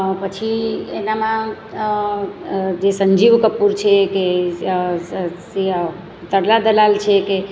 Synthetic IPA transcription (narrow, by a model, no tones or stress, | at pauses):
pət͡ʃʰienamã | d͡ʒesəɲd͡ʒiʋkəpuɾt͡ʃʰeke | si | t̪əɽlad̪əlalt͡ʃʰeke